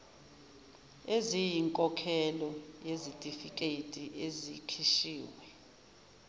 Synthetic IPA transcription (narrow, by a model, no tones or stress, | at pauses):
ezijiŋkʼɔkʰɛlɔjezitʼifikʼetʼiʔezikʰiʃiːwɛ